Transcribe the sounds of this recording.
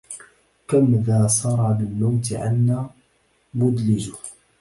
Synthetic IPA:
kamðaːsˤɑɾˤɑbɪlːʊmt̪ɪʕa̰nːaː | mʊd̪lɪd͡ʒʊ

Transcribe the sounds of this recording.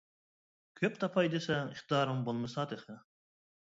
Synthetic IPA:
kʲʰøpt̪ʰɑpʰɑjd̪esɛŋiχt̪ɨj̪ɑːɾɨmbolˠmɨsɑd̪eχɨ

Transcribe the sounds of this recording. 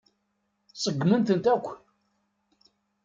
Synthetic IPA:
sˤəɡːmənt̪ənt̪ækʷː

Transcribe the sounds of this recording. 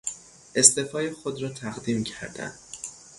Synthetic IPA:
ʔe̞st̪e̞fɒːjexod̪ɾɒːt̪ʰæɣd̪iːmcʰæ̰ɾd̪æ̰nd̪̥

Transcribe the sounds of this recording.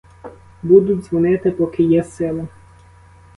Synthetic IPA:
bud̪ʊdʲzʋɔnɪt̪ɪpɔkɪjɛsɪlˠɐ

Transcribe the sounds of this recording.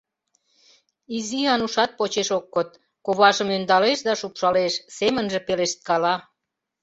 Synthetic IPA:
iziɑnuʃɑt̪̚pot͡ɕeʃokːot̪̚ | koβɑʒəmønd̪ɑleʃd̪ɑʃupʃɑleʃsemənʒĕpeleʃt̪̚kɑlɑ

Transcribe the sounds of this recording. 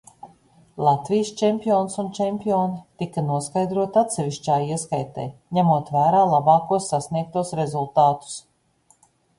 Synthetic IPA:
lˠat̪vʲijst͡ʃɛmʲpʲioːnsunt͡ʃɛmʲpʲioːnt̪ikanuɔskajd̪ɾuɔt̪ʲat̪sɛvʲiʃt͡ʃaːjiɛskajt̪ɛ̰jɲæmuɔt̪væːɾaːlˠabɑːkuɔsːasniɛk̚t̪uɔsɾezulˠt̪aːt̪u̥s

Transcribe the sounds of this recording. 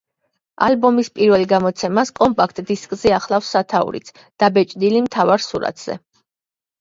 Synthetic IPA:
albɔmispʼiɾvɛliɡamɔt̪sʰɛmaskʼɔmpʼak̚ʰt̪ʼd̪iskʼziaχlˠafsːat̪ʰaṵɾḭt̪sʰ | d̪̥abɛt͡ʃʼd̪ilimt̪ʰavaɾsuɾa̰t̪ʰz̥ɛ̰

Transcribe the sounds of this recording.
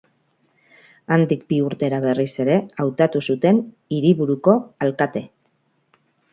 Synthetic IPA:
and̪ikbiuɾt̪e̞ɾaβe̞rise̞ɾe̞awt̪at̪usut̪e̞n | iɾiβuɾuko̞alkat̪e̞

